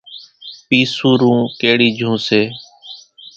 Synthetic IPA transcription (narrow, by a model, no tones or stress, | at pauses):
piːsuːɾũːkeːɽiːd͡ʒʱũːseː